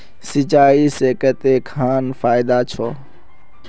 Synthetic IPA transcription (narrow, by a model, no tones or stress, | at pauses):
sɪt͡ʃaːiseːkət̪eːkʰaːnfʰaːɪd̪aːt͡ʃʰoː